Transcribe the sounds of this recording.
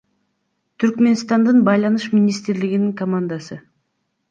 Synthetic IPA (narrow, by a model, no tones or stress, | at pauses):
t̪ʰyɾkme̞nst̪ɑnd̪ɯnbɑjlˠɑnuʃmʲinʲist̪ɾliɡiniŋkɐmand̪asɯ